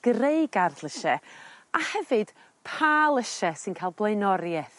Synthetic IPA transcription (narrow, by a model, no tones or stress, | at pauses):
ɡ̥reɨɡarθlˠəʃɛahɛvɨd̥ | pʰaːlˠəʃɛsɨnkʰaːlˠblˠejnɔɾjɛθ